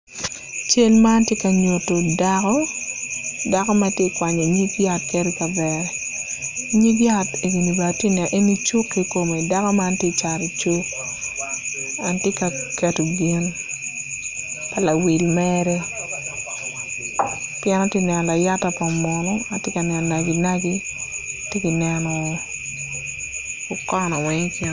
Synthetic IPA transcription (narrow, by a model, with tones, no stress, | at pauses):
t͡ʃe˦lma˦ntje˦ka˨ɲo˨to˨da˦kɔ˦ | da˦kɔ˦ma˦tje˦kwa˨ɲɔ˨ɲi˦bja˦tke˦ɾe˦ka˨bɛ˨ɾɛ˨ | ɲi˦bja˦te˨ɡi˨ni˨ba˨te˦nɛ˨ʔe˦ni˦t͡ʃu˦kːe˦ko˨me˨da˦kɔ˦ma˦ntje˦t͡ʃa˨ɾe˨t͡ʃu˦k | a˨ntɪ˦ka˨kɛ˨to˨ɡi˦n | pa˨la˨wi˨lmɛ˦ɾɛ˦ | pjɛ˦na˦tjɪ˦nɛ˨n˨la˨ja˦ta˨pa˨mɔ˨nɔ˦a˨tje˦ka˨nɛ˨n˨na˨ɡi˨na˦ɡi˦te˦ki˨nɛ˨nɔ˨ | ʊ˨kɔ˦nɔ˨wɛ˦ŋpe˦